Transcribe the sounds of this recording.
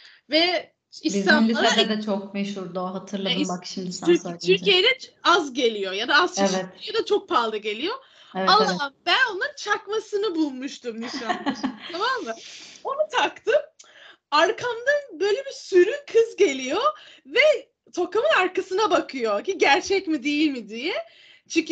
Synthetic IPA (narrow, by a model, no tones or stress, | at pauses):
vɛ | inizanliaɾɛd̪ɛd̪ɛt͡ʃʰok̚mɛʃhuɾd̪oɦat̪ʰɯɾlˠad̪ɯmbakʃimd̪iɾt̪ʰyɾcijed̪ɛazɟe̞lʲijo̞jad̪aasɛvɛt̪jad̪at͡ʃʰok̚pʰalˠːɯɟe̞lʲijo̞ | vamabæno̞nant͡ʃʰakmasɯnɯbulˠmuʃt̪umnisanˠaɾt̪ʰamammːɯo̞nut̪ʰakt̪ɯm | aɾkʰamd̪anbø̞jlʲebisyɾykʰɯzɟe̞lʲijovɛ | t̪ʰo̞kamɯnaɾkasɯnabakʰɯjo̞ciɟæɾt͡ʃʰɛcmid̪e̞jilʲmid̪ijɛ | t͡ʃʰici